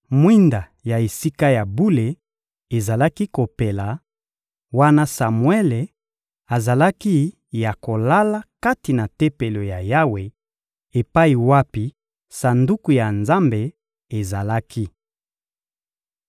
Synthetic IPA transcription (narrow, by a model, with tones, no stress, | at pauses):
mwi˦nda˨ | ja˨e˨si˦ka˦ja˨bu˦le˨ | e˨za˨la˦ki˦ko˨pe˨la˨ | wa˦na˦sa˨mwe˦le˨ | a˨za˨la˦ki˦ | ja˨ko˨la˦la˦ka˦ti˨na˨te˦pe˨lo˨ja˨ja˦we˨ | e˨pa˦i˨wa˦pi˦ | sa˨ndu˦ku˨ja˨nza˦mbe˨ | e˨za˨la˦kʰi˦